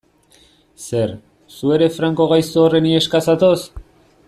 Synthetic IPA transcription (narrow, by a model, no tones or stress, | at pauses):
se̞ɾ | sue̞ɾe̞fɾaŋko̞ɣajsoːre̞nie̞skasat̪os